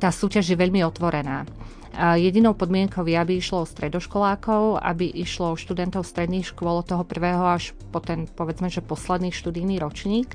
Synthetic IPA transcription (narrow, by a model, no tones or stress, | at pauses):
t̪aːsuːcaʒjɛʋɛʎmiɔt̪ʋɔɾɛnaː | jɛɟinɔʊpɔd̪mɪɛŋkɔʊjɛabiiʃlɔɔst̪ɾɛd̪ɔʃkɔlaːkɔʊa̰biʔiʃlɔɔʃt̪ud̪ɛnt̪ɔʊst̪ɾɛd̪niːxʃkʊɔlɔt̪ɔɦɔpr̩ʋɛːɦɔaʃ | pɔt̪ɛnpɔʋɛd͡zmɛʒɛpɔslɛd̪niːʃt̪ud̪ijniːɾɔt͡ʃɲiːk